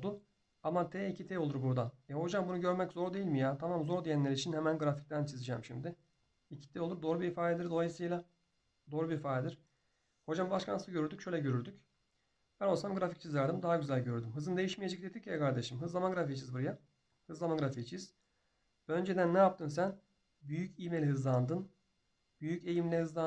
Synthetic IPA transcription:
d̪u | amat̪ʰɛːicʰit̪ʰɛo̞lˠuɾbuɾd̪anjɛho̞d͡ʒambunuɟø̞ɾmɛczo̞ɾd̪e̞jilʲmijaːt̪ʰamamzo̞ɾd̪ijænlʲeɾit͡ʃʰinhemænɡɾafi̥c̚t̪ʰænt͡ʃʰizɯd͡ʒɛmʃimd̪ɪ | icʰi̥t̪ʰɛolˠuɾd̪o̞ːɾubiifaːd̪ed̪iɾd̪o̞lˠajɯsɯjlˠa | d̪o̞ːɾubiifaːd̪ed̪iɾ̥ | ho̞d͡ʒambaʃkʰanɯɟøɾyɾd̪ycʃø̞jlʲɛɟø̞ɾyɾd̪yc | b̥ænolˠsamɡɾafic̚t͡ʃʰizæɾd̪imd̪aɦaɟyzælʲɟø̞ɾd̪ymɦɯzɯnd̪e̞jiʃmije̞d͡ʒɛk̚d̪ed̪icʰjɛkaɾd̪eʃɯmɦɯzlˠamaɡɾafict͡ʃʰizbuɾaja | hɯzlˠamaɡɯɾafict͡ʃʰiz̥ | b̥ø̞nd͡ʒe̞d̪ænːɛjap̚t̪ʰɯns̬æn | byjycimelʲiɦɯzlˠand̪ɯn | byjyce̞jimlʲɛhɯzlˠa

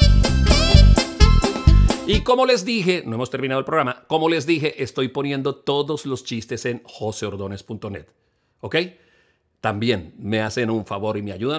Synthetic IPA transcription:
iko̞mo̞le̞zd̪ixenoemost̪e̞ɾminaðolpɾoɾamako̞mo̞le̞zd̪ixe̞ʔest̪o̞jpo̞njẽ̞nd̪o̞t̪o̞ðo̞zlo̞st͡ʃist̪ese̞nxo̞seo̞ɾðo̞ne̞spunt̪o̞ne̞̰t̪ | oke̞j | t̪ambje̞nme̞ase̞nuɱfaβo̞ɾimeaʝuða

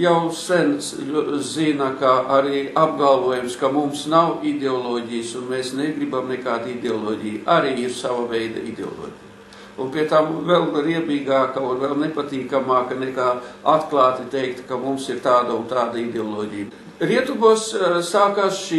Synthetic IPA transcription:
jawsɛnszinakaaɾiːab̚ɡalˠvuɔjumskamumsnawid̪ʲeɔlˠoːɟʲijsunmeːsneɡɾibamnekaːd̪id̪eɔlˠoːɟʲijʔaɾiːiɾsaʋavɛjd̪ɐ̰ʔid̪ʲeɔ̰lˠo̰ːɟʲij | unpʲiɛt̪amvɛlˠɾiɛbiːɡaːkaunvɛlˠnepat̪iːkamaːkanɛkaːat̪klˠaːt̪it̪ejkt̪kamumsiɾt̪aːd̪ɐunt̪aːd̪aid̪eɔlˠɔːɟij | ɾiɛt̪ubuɔssaːkaːsʃi

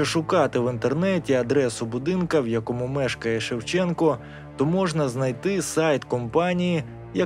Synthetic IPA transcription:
ɔʃʊkɑt̪ɪwɪnt̪ernɛtʲiɐd̪ɾɛsʊbʊd̪ɪnkɐwjɐkɔmumɛʃkɐjɛʃewt͡ʃɛnkɔ | t̪ɔmɔʒnɐznɐjt̪ɪsɑjt̪kɔmpɑnʲiji | jɐ

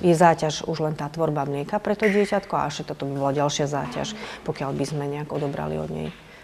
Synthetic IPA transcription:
jɛzaːcaʒuʒlɛnt̪aːt̪ʋɔɾbamlɪɛkapɾɛt̪ɔɟɪɛcat̪kɔa̰ɛʃɛt̪ːat̪ɔbibɔlaɟalʃɪaza̰ːca̰ʃpɔkɪalbizmɛɲɛaɡɔd̪ɔbɾa̰lḭɔ̰d̪ɲɛ̰j

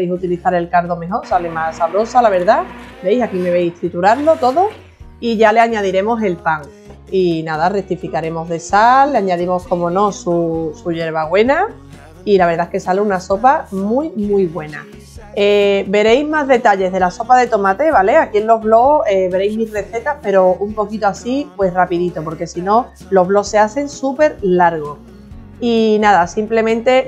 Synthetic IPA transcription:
ejsut̪iliθaɾe̞lkaɾðo̞mẽ̞ɦo̞ɾsalemasaβɾo̞salaβ̞e̞ɾðabe̞jsakime̞βe̞jst̪ɾit̪uɾaɾlo̞t̪o̞ðo | iʝale̞aɲað̞iɾe̞mo̞se̞lpaŋ | inaðarek̚t̪ifikaɾe̞mo̞zðe̞salːeaɲaðimo̞sko̞mõ̞nõ̞susuʝe̞ɾβ̞aɣwe̞na | ilaβe̞ɾðaeske̞saleunaso̞pamujmujβwe̞na | ebe̞ɾe̞jzmazðe̞t̪aʎe̞zðe̞laso̞paðe̞t̪o̞mat̪e̞β̞ale̞akienlo̞ɦβlo̞eβe̞ɾejzmisre̞θe̞t̪aspe̞ɾo̞umpo̞kit̪oasipwe̞srapiðit̪o̞po̞ɾke̞sino̞ | lo̞zβlo̞se̞aθe̞ŋsupe̞ɾlaɾɣ̞o̞ | inaðasimple̞mẽnt̪e̞

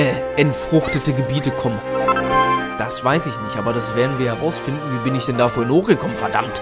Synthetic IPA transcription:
ɛ | ʔɛntfʁ̥ʊχtətəɡəbiːtəkʰɔmən | d̥asv̥aɪsɪçnɪçtʔaːbɐɾasv̥eːɐdn̩viːɐhɛʁaʊsfɪndn̩viːbɪnɪçd̥ɛndaːfyːɐɪnhoːxɡ̥əkʰɔmənfɛɐda̰mt

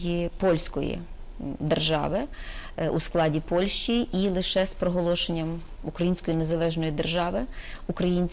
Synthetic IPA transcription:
jipɔlʲsʲkɔjḭd̪erʒɑ̰ʋɪ | ṵsklˠɑdʲipɔlʲʃt͡ʃʲiʔilˠɪʃɛspɾɔɦɔlˠɔʃenʲːɐm | ukɾɐjinʲsʲkɔjinezɐlˠɛʒnɔjid̪erʒɑʋɪukɾɐjinʲsʲ

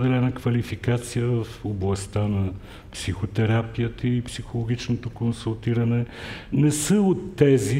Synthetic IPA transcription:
d̪ɛlɛnəkvɐlifikat̪sijəvəfoblˠɐst̪anɐ | psixot̪ɛɾapijət̪əipsixolˠoɡit͡ʃnot̪okonsulˠt̪iɾɐnɛnɛsəot̪ːɛzi

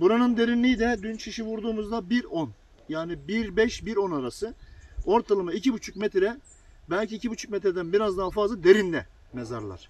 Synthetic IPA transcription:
buɾanɯnd̪e̞ɾinlʲijːd̪ɛd̪ynt͡ʃʰiʃivuɾd̪uːmuzd̪abiɾon | jaːnibiɾbɛʃbiɾo̞naɾasɯo̞ɾt̪ʰalˠɯmaicibut͡ʃʰukmɛt̪ɾɛ | bælʲciːcʰibut͡ʃʰuk̚mɛt̪ɾɛd̪ænbiɾazd̪aːfazlˠad̪e̞ɾind̪ɛ | meza̰ɾlˠa̰ɾ̥

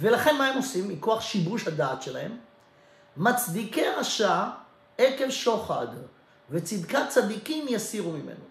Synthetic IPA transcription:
ve̞laχe̞nmaemo̞simːiko̞aχʃibuʃhad̪aːt̪ʃelahe̞mː | at͡sd̪ikeʁaʃa | ekevʃoχad | vet͡sid̪kat͡sad̪ikimjasiʁumimḛno

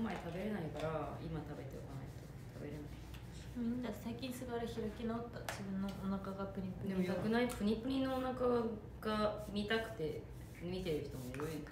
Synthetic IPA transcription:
maet̪abe̞ɾe̞naikaɾaimat̪abe̞t̪eo̰kana̰it̪o | t̪ʰabe̞ɾe̞nai | mmʲĩnːd̪asaikʲĩɰ̃sɨɡaɾɯçiɾakʲinoːt̪ːad͡ʑibɯ̟̃nːoʔonakaɡapɯ̟ɲʲipːɯɨd̪emonakɯ̟naipɯ̟ɲ̟ipɯɲʲĩnːoːnaka | ɡ̥amʲit̪akɯ̟̥t̪e̞ | mʲit̪e̞ɾɯ̟ç̥t̪omoeɾoi

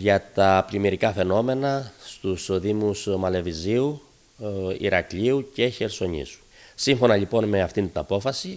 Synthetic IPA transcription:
ʝɐt̪ɐplimiɾikɐfe̞no̞me̞nɐst̪usðimusmɐle̞viziu | ḭɾɐkʎiuce̞çe̞ɾso̞ɲḭsu̥ | siɱfo̞nɐʎipo̞nme̞ɐft̪int̪inɐpo̞fɐsi

